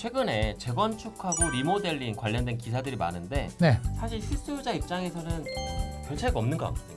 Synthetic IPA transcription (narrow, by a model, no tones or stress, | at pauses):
t͡ɕʰwe̞ɡɯne̞t͡ɕe̞ɡwʌnt͡ɕʰukʰaɡoɾimode̞ʎːinkwaʎːʌndwe̞nkisʰadɯɾima̰nɯnde̞nesʰaɕʰiɭɕʰis͈ud͡ʑaip̚t͡ɕ͈aŋe̞sʰʌnɯnkjʌnt͡ɕʰaɡʌmnɯnɡʌa̰kʰajo